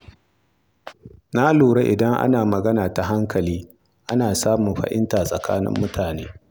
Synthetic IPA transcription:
na˦luː˨ɽe˦ʔɪ̰˨dɐ˦ŋʔa̰˦naː˨mɐ˨ɡɐ˦naː˨ta˨ɦa˦ŋkʰɐ˨liː˦ | ʔa˦naː˨saː˦mʊ˨mɸɐ̰˨ʔɪ̰˦nta˨sʼɐ˨kʰa̰ː˦nɪ̰˦mːʊ˦tʰaː˨nḛː˦

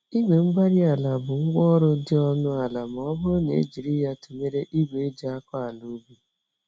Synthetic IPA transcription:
i˦ɡe˨ŋ͡m̩˦ɡ͡ba˦ɾi˦a˨la˨bʊ˨ŋ̩˦ɡʷɔ˦ɾʊ˦dɪ˦ɔ˦nʊ˦a˨la˨m˨ɔ˦bʊ˦ɾʊ˦na̰˨ḭ˦d͡ʒi˨ɾi˦ja˦te˨me˦ɾe˦ʔi˦ɡʷe˨e˦d͡ʒa˨a˦kɔ˦a˨lu˦bi˦

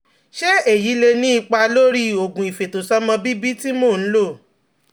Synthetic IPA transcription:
ʃe˦e˦˨ji˨˦le˧nĩ˦i˧˨k͡pa˧lo˦ɾi˦o˨ɡũ˨i˨fe˨to˨sɔ˦mɔ̃˧bi˦bi˦ti˦mõ˦˨n̩˦lo˦˨

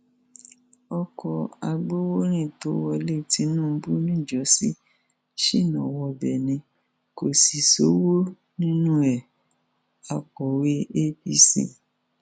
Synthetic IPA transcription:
ɔ˧kɔ˧a˧ɡ͡bo˦wo˦ɾ̃ĩ˦˨to˨˦wɔ˧le˦˨ti˨˦nũː˦˨˧bu˦nĩ˦˨d͡ʒɔ˨˦si˦ | ʃi˦˨nɔ̃˨wɔ˧bɛ˨nĩ˧ | ko˨si˨so˨˦wo˦ | nĩ˦nũ˦ɛ˨ | a˧kɔ˨we˦e˦bi˦˧sḭ˦˨

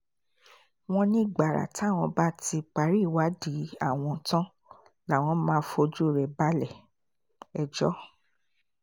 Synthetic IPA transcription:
w̃ɔ̃˧nĩ˦˨ɡ͡ba˨ɾa̰˨tw̃ɔ̃˧ba˦ti˧k͡pa˨˦ɾi˦˨wa˦di˨˦a˦˨w̃ɔ̃˧˨tã˦ | la˨w̃ɔ̃˧˦mãː˦fo˧d͡ʒu˦˨ɾɛ˨ba˦lɛ˦˨ | ɛ˨d͡ʒɔ˦

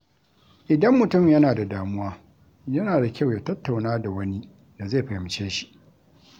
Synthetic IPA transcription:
ʔɪ˨dɐ˦mːʊ˨tʊ˦˨mjɐ˦naː˨da˨daː˨mʊ˦waː˦ | jɐ˦naː˨da˨kʲa˦˨wjaː˦tɐ˦tːa˨wnaː˦da˨wɐ˦ni˦ | da˨ze˦˨ɸɐ˨jɪ˨mt͡ʃeː˦ʃi̥˦ʔ

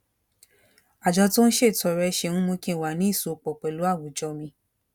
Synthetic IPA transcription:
a˨d͡ʒa˧to˦ñ̩˦ʃe˦˨tɔ˧ɾɛ˧ʃe˧nũ˦mõ˧kĩ˦˨wa˨nĩ˨˦i˦˨so˨˦˨k͡pɔ˨k͡pɛ˨lu˨˦a˦˨wu˨d͡ʒɔ˧mĩ˧

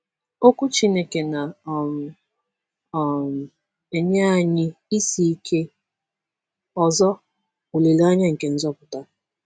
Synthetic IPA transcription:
o˦kʷu˦t͡ʃi˦ne˦ke˨na˨m˨ | m˨ | e˦ɲa˦a˨ɲɪ˦i˦si˦i˦kʰe˦ | ɔ˨zɔ˦ | o˨le˨la˦ɲa˦ŋ̩˨ke˨n̩˦zɔ˦pʊ˨ta˦

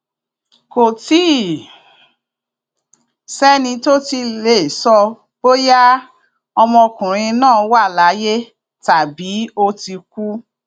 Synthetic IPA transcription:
ko˨ti˦˨ | sɛ˦nĩ˧to˦ti˧le˦˨sɔ˧ | bo˦ja˦ | ɔ˧mɔ̃˧kũ˨ɾ̃ĩ˧nãː˦˨˧wa˦˨la˨˦je˦ | ta˨bi˨˦o˧ti˧k̚u˦

